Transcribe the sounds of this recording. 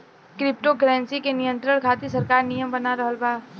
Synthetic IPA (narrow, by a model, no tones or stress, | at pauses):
kɾɪp̚ʈoɡɾɛ̃ːnsikenɪjə̃nt̪ɾəɽ̃kʰaːt̪isəɾkaːɾnijəmbɐnaɾəɦəlbaː